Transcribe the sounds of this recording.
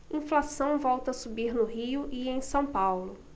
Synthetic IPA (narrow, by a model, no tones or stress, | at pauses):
ĩflasɐ̃w̃vɔwt̪ɐsubiɾnʊɦiʊʔiẽj̃sɐ̃w̃pawlʊ